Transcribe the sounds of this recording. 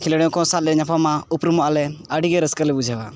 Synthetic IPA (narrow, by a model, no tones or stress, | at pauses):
kʰilɽɛjɔ̃kɔ̃sal̚ɛɲapʰamaupɾumɔʔalɛəɽiɡɛɾəskəlɛbud͡ʒʱawa̰